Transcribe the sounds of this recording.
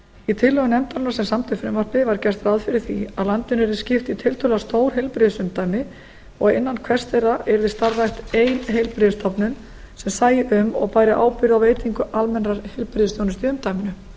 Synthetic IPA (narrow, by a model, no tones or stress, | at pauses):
it̪ʰɪlːœɣʏnɛmt̪anasɛmsamt̪ʰʏfɾɛmvaɾ̥pnɪvaɾcɛr̥st̪ɾaðfɪɾɪɾ̥θiaðlant̪ɪnɛɾðɪ̥scɪft̪it̪ʰɪlt̪ʰʏlɪɣast̪oːwɾ̥ɦelpɾɪðsʏmt̪aːjmɪ | ɔɣɪnːankʰvɛrst̪θejɾaʔɛɾðɪst̪aɾðajht̪eːjnɦejlpɾɪðɪst̪ʰɔpnʏn | sɛmsaːjɪʔʏmɔ̰ɣpaːjɾɪʔa̰ːwpɪɾʏawveːjt̪iŋkʏʔalmɛnraɾhɪlpɾɪðʏst̪jownɪst̪ɪʏmt̪ajmɪnʏ